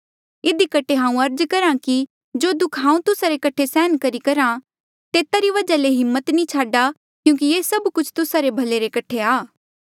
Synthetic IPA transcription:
ɪd̪ikɐʈʰːeɦãːũɐɾd͡ʒkɐɾãki | d͡ʒoːd̪ʊkʰɦãːũt̪ʊsaɾekɐʈʰesɛːnkɐɾikɐɾã | t̪eːt̪aɾiʋɐd͡ʒaleɦɪmːət̪nĩt͡ʃʰaːɖa | kjũːk̬ijesɐbkʊt͡ʃʰt̪ʊsaɾebʱɐleɾekɐʈʰeaː

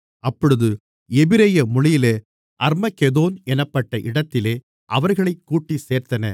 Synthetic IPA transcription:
ɐpːɔɽɯðɯ | ɛbɪɾɐjɐmʊɭɪjɪleː | ʔɐɾmɐkɛðoːnɛnɐpːɐʈːɐʔɪɽɐt̪ːɪleː | ʔɐʋɐɾɣɐɭɐɪkːuːʈːiseːɾt̪ɐnɐ̰

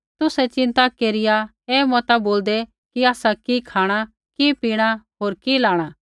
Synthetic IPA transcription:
t̪ʊsɛt͡ʃɪ̃nt̪akeːɾɪja | ɛːmɔt̪aboːld̪ɛ | kiaːsakikʰaːɽ̃a | kipiːɽ̃aɦoːɾkilaːɽ̃aː

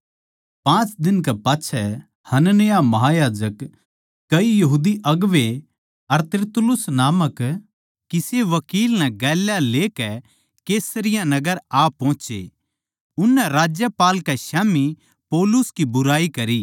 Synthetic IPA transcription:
pãːt͡ʃd̪ɪnkɛpaːtːʃʰɛ | hɐnənejamɐɦajaːd͡ʒəkː | ɐijɐɦuːd̪iʔɐɡʋe | ɐɾt̪ɪɾt̪ʊlʊsnaːmək | kiseʋɐkiːlnɛ̃ɡɛːljaleːkɛ | keːsəɾɪjãnɐɡəɾaːpɔ̃ːt͡ʃḛ | ʊnːɛɾaːd͡ʒjəpaːlkɛʃaːmi | pɔːlʊskibʊɾaːikɐɾiː

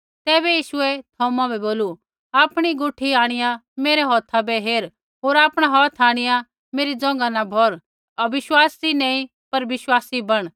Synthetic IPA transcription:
t̪ɛːbɛjiːʃʊɛt̪ʰɔːmãbɛboːlu | aːpɽ̃iɡʊʈʰːiaːɽ̃ɪjãmeːɾɛɦɔːt̪ʰabɛɦeːɾ | ɦoːɾaːpɽ̃aɦɔːt̪ʰaːɽ̃ɪjã | meːɾid͡zɔ̃ŋ̆ɡanabʱɔɾ | ɐʋɪʃwaːsd͡zinɛ̃ːĩ | pɐɾʋɪʃwaːsibɐɽ̃

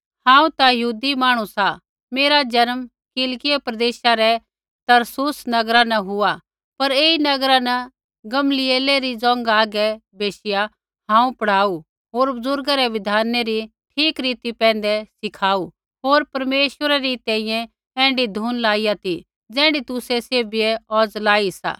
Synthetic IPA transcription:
hãːũt̪ajɐɦuːd̪imaːɽ̃ũsa | meːɾad͡ʒɐɾm | kɪlkɪjepɾɐd̪eːʃaɾɛ | t̪ɐɾsusnɐɡɾanɐɦʊa | pɐɾeːinɐɡɾanɐ | ɡɐmlɪeːleɾid͡zɔ̃ːŋɡaːɡɛbeːʃɪja | ɦãːũpɐɽ̤aːu | ɦoːɾbʊzʊɾɡaɾɛʋɪd̪ʱaːneɾiʈʰiːkɾiːt̪ipɛ̃ːnd̪ɛsɪkʰaːu | ɦoːɾpɐɾmeːʃwəɾaɾit̪ɛ̃ːĩjɛ̃ | ɛ̃ːɳɖid̪ʱuːnlaːijat̪i | d͡zɛ̃ːɳɖit̪ʊsɛseːbɪjɛɔːd͡zlaːisa̰ː

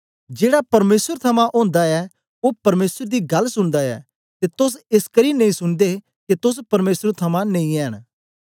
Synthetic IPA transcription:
d͡ʒeːɽapɐɾmeːsəɾt̪ʰɐmãʔõːnd̪aɛ | opɐɾmeːsəɾd̪iɡɐlsʊɽd̪aɛ̰ː | t̪et̪ʊs̬ɪskɐɾinɐ̃ĩsʊɽ̃d̪e | ket̪ʊs̬pɐɾmeːsəɾt̪ʰɐmãnɐ̃ĩɛːəɽ̃

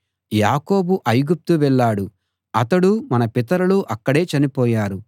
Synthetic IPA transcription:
jaːko̞ːbuʔɐjɡup̚t̪uʋɛɭːaːɽu | ɐt̪ɐɽumɐnɐpit̪̬ɐɾɐluʔɐkːɐɽe̞ːt͡ʃɐnipɔːjaːɾu

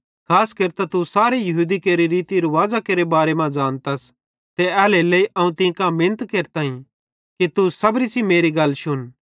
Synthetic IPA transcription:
kʰaːskɐɾt̪at̪usaːɾejɐɦuːd̪ikeːɾiɾiːt̪iɾuʋaːd͡ʒakeːɾebaːɾemãd͡ʒaːnt̪ɐs | t̪eɛːleleiʔɐũt̪ɪ̃ːkãmɪnət̪keːɾt̪aːĩ | kit̪usɐbɾisimeːɾiɡɐlʃʊn

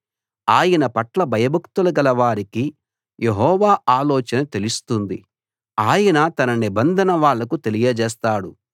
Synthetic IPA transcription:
aːjɐnɐpɐʈlɐbʱɐjɐbʱɐkt̪ulɐɡɐlɐʋaːɾiki | jʔeɦɔːʋaːaːlɔːt͡ʃɐnɐt̪e̞lust̪und̪i | aːjɐnɐt̪ɐnɐnibɐnd̪ʱɐnɐʋaːɭːɐkut̪e̞lijɐd͡ʒɛːst̪aːɽu

